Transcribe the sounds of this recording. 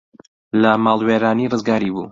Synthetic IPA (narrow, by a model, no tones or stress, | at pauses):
lɐmaːlˠweːɾaːnirɨzɡaːɾibṵː